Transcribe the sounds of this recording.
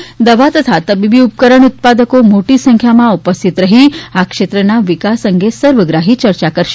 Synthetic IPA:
d̪əʋat̪ət̪ʰat̪əbibiup̚kəɾəɳ̃ut̪̚pad̪əkomoʈisə̃ŋkʰjamãupəst̪ʰit̪ɾəɦiakʂet̪ɾənaʋikasəŋɡʱesəɾʋəɡɾaɦit͡ʃəɾt͡ʃakəɾʃe

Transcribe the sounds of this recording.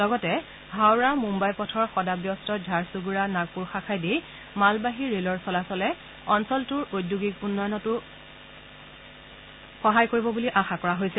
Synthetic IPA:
lɔɡɔtɛ | ɦawɹamumbajpɔtʰɔɹxɔdabjɔstɔdʱaɹsuɡuɹanaɡ̚puɹxakʰajdij | malbaɦiɹelɔɹsɔlasɔlɛ | ɔnsɔltʊɹojdːuɡik̚punːɔjɔnɔtʊ | xɔɦajkoɹibɔbuliʔaxakɔɹaɦojsɛ

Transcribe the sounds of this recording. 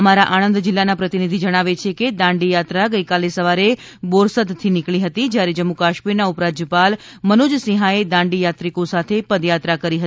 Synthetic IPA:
əmaɾaʔañə̃nd̪d͡ʒɪlːanapɾət̪inid̪ʱid͡ʒəɽ̃aʋet͡ʃʰeked̪ãɳɖijat̪ɾaɡəjkalesəʋaɾe | boɾsəd̪t̪ʰːinɪkɭiɦət̪id͡ʒjaɾed͡ʒəmːukaʃmiɾnaupɾad͡ʒəpal | mənod͡ʒsĩɦaed̪ãɳɖijat̪ɾikosat̪ʰepəd̪jat̪ɾakəɾiɦət̪

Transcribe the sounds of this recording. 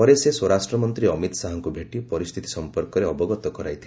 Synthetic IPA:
ɔɾeseswɔɾasʈɾɔmɔnt̪ɾiɔmit̪ɔsaɦɔŋkubʱeʈipɔɾist̪ʰit̪ʰi̥sɔmpɔɾkɔɾeɔbɔɡɔt̪ɔkɔɾajt̪ʰi

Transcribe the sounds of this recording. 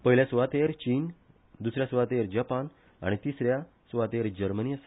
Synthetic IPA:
pəɦiljasʋat̪eɾt͡ɕiːn | d̪usɾjasʋat̪eɾd͡ʑapan | a̰ɽ̃it̪isɾja | sʋat̪eɾd͡ʑəɾməniəs

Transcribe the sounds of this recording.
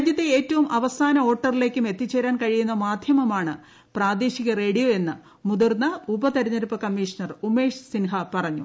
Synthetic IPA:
d̪jɐt̪ːeeːtːɐʋumʔɐʋɐsaːnɐo̞ːʈːɐrile̞ːkʲːume̞t̪ːit͡ɕːeːɾaːnkɐɻijunːɐmaːd̪ʱjɐmɐmaːɳɨ | praːd̪eːɕiɣɐre̞ːɽijoe̞nːɨ | mud̪urnːɐubɐt̪ɐɾɐɲːɐɾupːɐkɐmːiːʂɐnɐrume̞ːʂsinɦɐpɐrɐɲːṵ

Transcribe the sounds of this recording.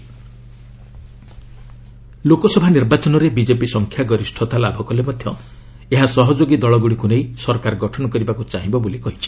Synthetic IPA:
lokɔsɔbʱaniɾbat͡ʃɔnɔɾebid͡ʒepisɔŋkʰjaɡɔɾisʈʰɔt̪alabʱɔkɔlemɔd̪ʱjɔ | eɦasɔɦɔd͡ʒoɡid̪ɔɭɔɡuɽikunejsɔɾkaɾɔɡɔʈʰɔnɔkɔɾibakut͡ʃaɦĩbɔbulikɔɦit͡ʃʰi̥

